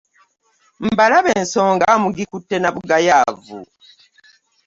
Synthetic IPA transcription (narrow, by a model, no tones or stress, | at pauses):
m̩balaβe̞ːnso̞ːŋɡaːmuɡikutːe̞naβuɡajaːvṵ